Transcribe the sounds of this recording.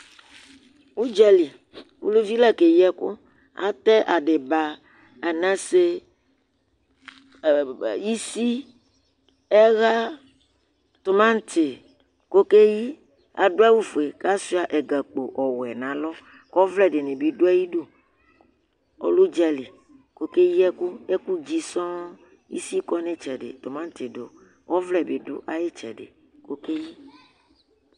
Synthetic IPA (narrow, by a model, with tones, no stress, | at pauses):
wu˦d͡ʒɛ˦li˨ | wṵ˦lo˦vi˦lɛ˦ke˨jɛ˦ko̰˦ | a̰˨t̪ɛ˦ʔa˨ɖe˨ba˨ | a˨nã˦se˦ | ji˦si˦ | ɛ˦ɣa˦ | t̪o˨mã˦ŋ˦t̪ʰe˨ | ko˦ke˦ji˦ | a̰˨ɖo˦a˦wu˦fe˨ka˦su˦a˨ʔɛ˨ɡa˨k͡po˨ʔɔ˨wɛ˨nã˨lɔ˦ | kɔ˦vlɛ˨ɖe˨nẽ˨bi˨˦do˦ɛ˦ji˦ɖu˦ | ɔ̰˨˦lo˦d͡ʒɛ˦li˨ | ko˦ke˦ji˦ɛ˦ku˦ɛ˦ku˦d͡ʒi˦sɔ̃˦ | ḭ˦si˦kɔ˦nẽ˦t͡ʃɛ˨ɖḛ˨t̪o˨mã˦n̩˦t̪e˨do˨ | wɔ˦vlɛ˨be˨do̰˦ʔa˨je˦t͡ʃɛ̰˨ɖḛ˨ | ko˦ke˦ji˦